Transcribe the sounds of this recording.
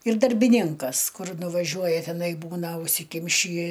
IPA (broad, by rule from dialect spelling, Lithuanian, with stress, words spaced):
ɪr dɐrʲbʲɪˈnʲɪŋkɐs ˈkʊr nʊʋɐˈʒʲuɔjɛ tʲɛˈnɐɪ ˈbuːnɐ ʊʃʲsʲɪˈkʲɪmʲʃʲiː